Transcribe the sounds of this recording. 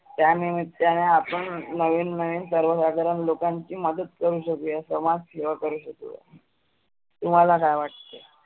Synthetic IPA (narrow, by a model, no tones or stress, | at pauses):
t̪janimit̪ːjaneapəɳnəʋiːnːəʋiːnsəɾʋəsad̪ʱəɾənlokaɲt͡ɕiːməd̪ət̪̚kəɾuːɕəkujəsəmad͡zseʋakəɾuːɕəkṵ | t̪um̤alakajʋaʈ̚t̪e